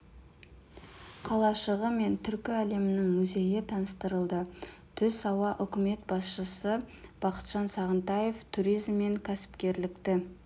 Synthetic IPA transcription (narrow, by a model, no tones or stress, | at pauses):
qʰɑlˠɑʃəʁəme̞nt̪ʰʏɾkʲɪæle̞mɪnɪŋmɵze̞jɪt̪ʰɑnəst̪əɾəlˠd̪ə | t̪ʰʏzɑwɑʔʏkʲɪme̞t̪bɑsʃəsəb̥ɑqə̥t̪ʒ̥ɑnsɑʁənt̪ɑje̞ft̪ʰuɾijzmːe̞ŋkʲʰæsɪ̥pkʲe̞ɾlɪkt̪ɪ